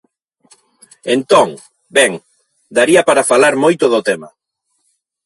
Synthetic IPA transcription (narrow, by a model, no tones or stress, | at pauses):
ent̪ɔŋ | bɛŋ | d̪aɾiɐpaɾafalaɾmojt̪ʊðʊt̪ɛma̰